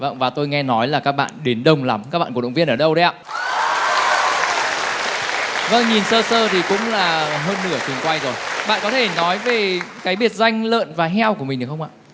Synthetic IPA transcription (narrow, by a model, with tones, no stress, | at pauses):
və̰˧˩ŋ͡mvaː˨˩t̪o˧jŋɛ˧nɔ˨˦jlaː˨˩kaː˦˥k̚ɓa̰ː˧˨nɗe˨˦nɗə˨˧˩wŋ͡mla˨˦mkaː˦˥k̚ɓa̰ː˧˨kwŋ͡mvi˧ənʔəː˧˩ɗə˧wɗə˨˦jha̰ː˧˨ | və˧˩ŋɲi˨˩nsəː˧səː˧t̪ʰi˨˩kʊ̰˧˥ŋ͡mlaː˨˩ɦəː˧nːɨ˧˩ət͡ɕʰi˨˩ənkwa˧jzo˨˩jɓa̰ː˧˨nkɔ˨˦t̪ʰe˧˩nɔ˨˦jve˨˩kaː˨˦jɓi˨˩ət̚za˧jŋ̟lə̰ː˧˨nvaː˨˩ɦɛ˧wku˧˩i̟˨˩ɗxwŋ͡mʔa̰ː˧˨